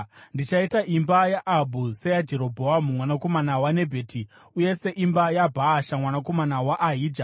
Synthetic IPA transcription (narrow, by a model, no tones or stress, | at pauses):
ndit͡ʃaitaʔimbajaʔːbʱusejad͡ʒe̞ɾo̞bʱoamumwanako̞manawane̞bʱe̞ːtʰi | uje̞se̞ʔimbajabʱaːʃamwanako̞manawaʔːɦiːd͡ʒa